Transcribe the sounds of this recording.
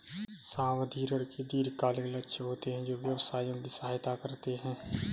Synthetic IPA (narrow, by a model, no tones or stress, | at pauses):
sãːʋd̪ʱiːɾəɾked̪iːɾkaːlẽlətːʃʰeɦoːt̪eɦɛ̃d͡ʒoːʋjəʋsaːijõbʱisaaːɦjt̪akəɾt̪eɦɛ̃ː